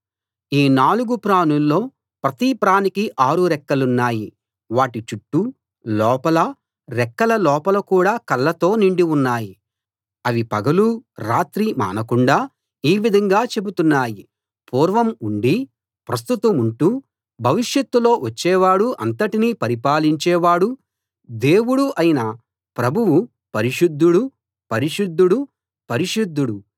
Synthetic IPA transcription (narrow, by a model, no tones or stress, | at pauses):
iːnaːluɡupɾaːnulːo̞ː | pɾɐt̪iːpɾaːnikiʔaːɾuɾɛkːɐlunːaːji | ʋaːʈit͡ʃuʈːu | lɔːpɐlɐ | ɾɛkːɐlɐlɔːpɐlɐkuːɽaːkɐlːɐt̪o̞ːniɳɖiunːaːji | ɐʋipɐɡɐluɾaːt̪ɾima̰ːnɐkuɳɖaː | iːʋid̪ʱɐŋɡaːt͡ʃe̞but̪unːaːji | puːɾʋɐmuɳɖi | pɾɐst̪ut̪ɐmuɳʈuː | bʱɐʋiʂjɐt̪ːulo̞ːʋɐt͡ʃːɛːʋaːɽuʔɐnt̪ɐʈiniːpɐɾipaːliɲt͡ʃɛːʋaːɽu | d̪e̞ːwuɽuʔɐjinɐ | pɾɐbʱuwu | pɐɾiʂud̪ːuɽu | pɐɾiʂud̪ːuɽu | pɐɾiʃud̪ːuɽu